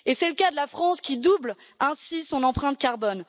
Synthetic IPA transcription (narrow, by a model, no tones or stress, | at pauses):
esɛləkad̪əlafχɑ̃skʲid̪ubl | ɛ̃sisɔ̃nɑ̃pχɛ̃t̪̚kʲaʁbɔn